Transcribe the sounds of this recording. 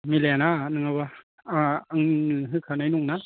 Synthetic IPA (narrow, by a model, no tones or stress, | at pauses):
milɛnanɯŋaba | aaŋɯɦɯkʰanajnuŋna